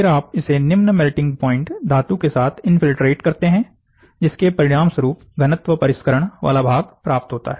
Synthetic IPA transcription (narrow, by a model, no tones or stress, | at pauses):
fɪɾaːpɪsenɪmnəmɛlʈɪ̃ŋɡ̚pɔ̃ːɪ̃ɳʈd̪ʱaːt̪ũkesaːt̪ʰɪnfɪlʈɾeːʈkɐɾt̪eɦɛ̃ | d͡ʒɪskepɐɾɪɽ̃aːmsəɾuːpɡɐnət̪ʋəpɐɾɪʃkəɾəɽ̃ʋʔa̰ːlabʱaːɡpɾaːp̚t̪ɦoːt̪a̰ɦɛː